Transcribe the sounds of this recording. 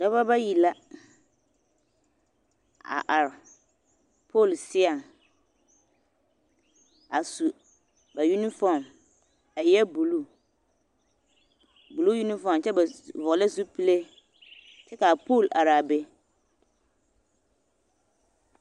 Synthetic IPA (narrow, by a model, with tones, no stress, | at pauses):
d̥a˦βa˦ba˦ji˨la˦ | a̰˨ʔa˨ɾ | pʰo˦˨lsɪ˦a˨ŋ | a˨su˨ | ba˨ju˦ni˦fɔ˦˨m | a˨jɛ˦bu˨lu˦ | bu˨lu˦ju˦ni˦fɔ˦˨mt͡ʃɛ˦ba˨vʊ˨la˦zu˦pi˦le˦ | t͡ʃɛ˦ka˨po˦˨lʔa˨ɾa˨be˦